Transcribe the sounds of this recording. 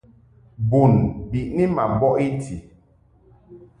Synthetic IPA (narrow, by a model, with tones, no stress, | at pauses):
bu˨nbi˨ʔni˦ma˨m˨bɔ˦ʔi˦tʰi˨